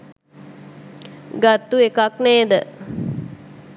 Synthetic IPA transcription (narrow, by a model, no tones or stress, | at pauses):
ɡat̪ːuekakneːd̪ə